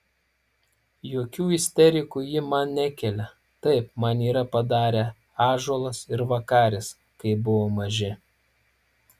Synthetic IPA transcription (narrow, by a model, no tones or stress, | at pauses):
joːkʲuːɪsʲt̪ʲɛɾʲɪkujɪmɐnnʲɛkʲɛlʲɛ | t̪ɐɪpmɐniːɾɐpɐd̪ɑːɾʲe | ɑːʒoːlˠɐsɪɾʋɐkɑːɾʲɪs | kɐɪbʊʋoːmɐʒʲɪ